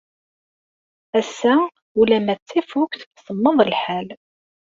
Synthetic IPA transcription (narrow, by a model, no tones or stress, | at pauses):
æsːæ | ulæmæt͡sːifukʷθsəmːəðˤəlħæl